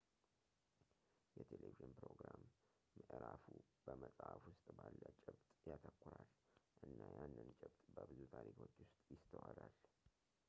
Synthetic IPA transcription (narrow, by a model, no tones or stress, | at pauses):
jɛt̪ʰeleviʒɨnpɾoɡɾamː | əʔɾafub̥əməsʼafwʊst̪ʼbalːət͡ʃʼɪbt̪ʼjat̪ʰəkːʊɾalʔɨnːajanːɨnt͡ʃʼɪbt̪ʼbəbɨzut̪ʰaɾikʰo̞t͡ʃːwʊst̪ʼjɪst̪ʰəwaɾal